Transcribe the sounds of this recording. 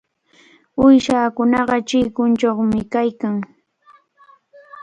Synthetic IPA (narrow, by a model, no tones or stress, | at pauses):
ʊjʃaːkʊnɑɢɑt͡ʃɪjkʊnt͡ʃoχmɪkajkaŋ